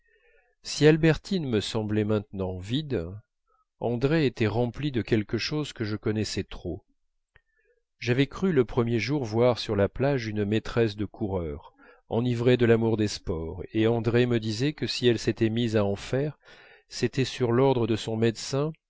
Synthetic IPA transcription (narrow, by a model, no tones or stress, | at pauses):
sialbɛʁt̪ʰinməsɑ̃blɛmɛ̃t̪nɑ̃vid̪ | ɑ̃d̪ʁeːt̪ɛʁɑ̃plid̪əkʲɛlkəʃozkəʒəkɔnɛsɛt̪χo | ʒavɛkχyləpχəmjeʒuʁvwaʁsyʁlaplaʒynmet̪χɛsd̪əkʰuʁœʁ | ɑ̰̃nivʁed̪əlamuʁd̪espɔʁeɑ̃d̪ʁeməd̪izɛkəsiɛlset̪ɛmizaɑ̃fɛʁ | set̪ɛsyʁlɔʁd̪ʁəd̪əsɔ̃mɛd̪sɛ̃